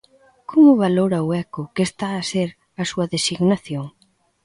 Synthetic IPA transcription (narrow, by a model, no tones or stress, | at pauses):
kʰomʊβaloɾɐʊɛkʊkest̪aːseɾ | ɐsuɐðesiɣnaθjoŋ